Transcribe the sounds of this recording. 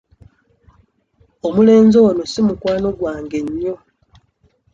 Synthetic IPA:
omule̞ːnzono̞simukwaːno̞ɡwaːŋɡe̞ɲːo̞

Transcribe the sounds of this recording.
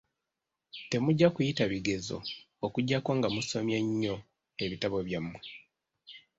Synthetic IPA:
te̞muɟːakujitaβiɡe̞zo̞̰ | okuɟːakwoːŋɡamuso̞mjeɲːo̞ | e̞βitaβo̞βjamːwe

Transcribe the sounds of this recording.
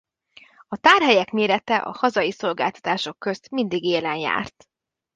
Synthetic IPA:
ɒt̪aːrɦɛjɛkmeːɾɛt̪ɛʔɒ̰hɒzɒjiso̞lɡa̰ːlt̪ɒ̥t̪aːʃo̞kːø̞st̪mind̪iɡeːlɛnja̰ːrt̪

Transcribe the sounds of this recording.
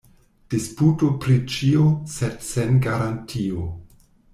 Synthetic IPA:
d̥isputopɾit͡ʃiosedsenɡaɾantʰio

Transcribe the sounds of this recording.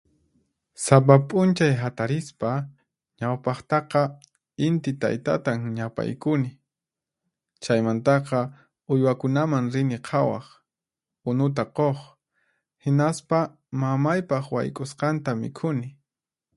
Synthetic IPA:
sap̬apʼʊnt͡ʃajɦat̪aɾɪspa | ɲawpɑχt̪ɑqɑ | ɪnt̪ɪt̪a̰jt̪a̰t̪aŋɲapa̰jkʊnɪ | t͡ʃajmant̪ɑqɑ | ʊjwakʊnamaŋɾɪnɪqʰɑwɑ̰χ | ʊnʊt̪̬aqoχ | hɪnaspa | mamajpɑχwa̰jkʼʊsqɑnt̪amɪ̰kʰʊnɪ

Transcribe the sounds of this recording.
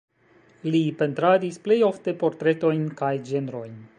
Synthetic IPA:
lipe̞nt̪ɾadisple̞jo̞fte̞po̞ɾt̪ɾe̞to̞jnkajd͡ʒe̞nɾo̞jn

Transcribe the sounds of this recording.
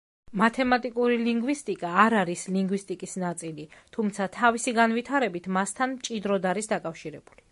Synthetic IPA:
mat̪ʰɛmat̪ʼikʼuɾiliŋɡwist̪ʼikʼaːɾaɾisliŋɡwist̪ʼikʼisnat̪sʼilit̪ʰumt̪sʰat̪ʰavisiɡanvit̪ʰaɾɛbit̪ʰmast̪ʰanmt͡ʃʼid̪ɾɔd̪aɾisd̪akʼafʃiɾɛbuli

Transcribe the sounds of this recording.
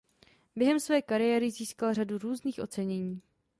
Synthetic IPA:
bjɛɦɛmsvɛːkaɾɪjɛɾɪziːskalr̝aduɾuːzniːxʔo̞̰t͡sɛɲɛɲiː

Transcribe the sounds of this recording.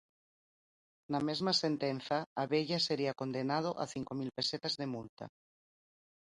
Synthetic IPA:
namezmasent̪enθaːβeʎaseɾiakond̪enað̞oʔa̰θiŋkomilpeset̪azðemult̪a̰

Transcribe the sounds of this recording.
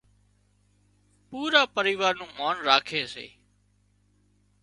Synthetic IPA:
puːɾaːpəɾiːʋaːɾnũːmaːnɾaːkʰeːsḛː

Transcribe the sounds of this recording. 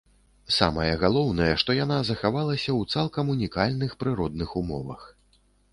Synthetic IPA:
sa̰mɐjɐɣalˠɔwnɐjɛʂt̪ɔjanazɐxavalˠɐsʲɐwt̪salˠkɐmunʲikalʲnɨxpɾɨɾɔd̪nɨxumɔvɐ̰x

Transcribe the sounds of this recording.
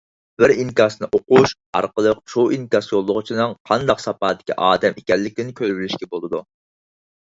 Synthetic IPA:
b̥ɪɾiŋkʲɑsnɨʔoquʃ | ɑ̰ɾqəlˠəqʃoiŋkʲɑsjolˠːʊʁʊt͡ʃʰinɨŋqʰɑnd̪ɑqsɑpɑːd̪ɪ̥kʲʰiʔɑːd̪ɛmekʲɛlːɪkʲnɪnkʲʰølbɪlɪʃkʲɛbolˠɨd̪u

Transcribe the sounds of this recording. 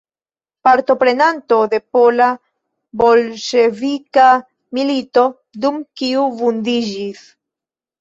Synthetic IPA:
paɾt̪o̞pɾenant̪od̪e̞pola | bolʃevika | milit̪o̞ | d̪umkiuvund̪iʒis

